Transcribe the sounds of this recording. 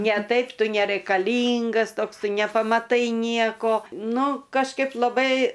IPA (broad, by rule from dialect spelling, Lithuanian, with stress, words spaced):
nʲɛ ˈtɐɪp ˈtʊ nʲɛrɐɪkɐˈlʲiːŋɡɐs ˈtoːks ˈtʊ nʲɛpɐmɐˈtɐɪ ˈnʲiɛkoː ˈnʊ kɐʃˈkɐɪp lˠɐˈbɐɪ